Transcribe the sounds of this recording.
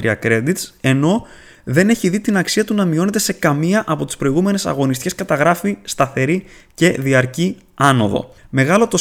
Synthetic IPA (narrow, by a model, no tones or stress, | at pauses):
ɾḭɐkɾe̞d̪it̪se̞no̞ | ðe̞ne̞çiðit̪inɐksiɐt̪unɐmio̞ne̞t̪e̞se̞kɐmiɐʔɐpo̞t̪i̥spɾo̞iɣume̞ne̞sɐ̰ɣo̞nist̪ce̞skɐt̪ɐɣɾɐfist̪ɐθe̞ɾice̞ðiɐɾci | ɐno̞̰ðo̞̰me̞ɣɐlo̞t̪o̞